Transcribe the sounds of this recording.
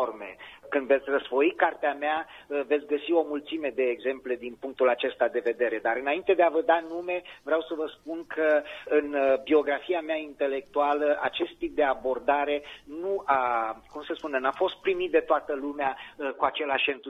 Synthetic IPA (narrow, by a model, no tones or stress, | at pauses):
ormḛkɨnd̪ve̞t̪sʲrəsfo̞ikart̪eameavet̪sʲɡəsio̞mult̪sime̞d̪e̞ːɡze̞mple̞d̪inpuŋk̚t̪ulat͡ʃe̞st̪ad̪e̞ve̞d̪e̞ɾe̞d̪aɾɨnaint̪e̞d̪eavəd̪anume̞vɾeawsəvəspunkʰəɨnbio̞ɡɾafiameaint̪e̞le̞k̚t̪ualəʔa̰t͡ʃe̞st̪ːip̚d̪e̞abo̞rd̪aɾe̞nuakumsəspunenafo̞st̪̚pɾimit̪̚d̪e̞t̪oat̪əlumeakuat͡ʃe̞laʃent̪